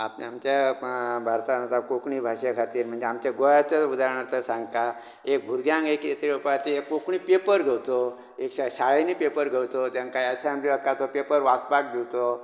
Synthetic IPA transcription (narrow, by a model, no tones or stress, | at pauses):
apnamt͡ɕjabʱaɾt̪anat̪akokɳ̃iːbʱaɕekʰat̪iːɾm̤əɳd͡zeamt͡ɕaɡoɭat͡saud̪aɾɳaɾt̪əɾsãŋɡka | ek̚ɡʱuɾɡʱjãŋɡekjet̪ʰɾeupat̪iekkokɳiːpepəɾɡʱewt̪o | ekɕaɕaɭenipepəɾɡʱewt̪ot̪jãnkaiəɕeamlibəkkat̪opepəɾʋakpak̚d̪iwt̪o